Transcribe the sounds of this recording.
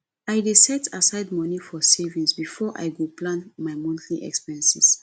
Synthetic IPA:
ajdesɛtasaɪdmɔnifɔsevĩŋsbifɔʔa̰jɡoplãnmaɪmɔ̃ntʰliʔɛ̰kspɛ̃nsḭs

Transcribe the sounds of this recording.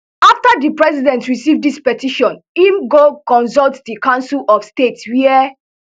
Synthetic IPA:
aftadipɹɛsidɛ̃ntɹisivdispɛtiʃɔ̃n | imɡokɔ̃nsɔltdikãʊ̃nsilɔfstetswiɛ

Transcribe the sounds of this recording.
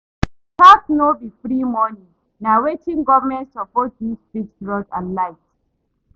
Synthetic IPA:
tatnobifɹimɔnĩ | nawetʰĩŋɡɔvəmɛ̃ntsɔpɔt̚ðisbiksɹɔdã̰nlaɪt

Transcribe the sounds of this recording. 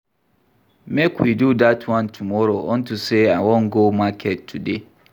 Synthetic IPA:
mekʰuidudatʰuwãntʰumɔɾoʔɔn̩tuseawɔŋɡomakʰɛttʰːude

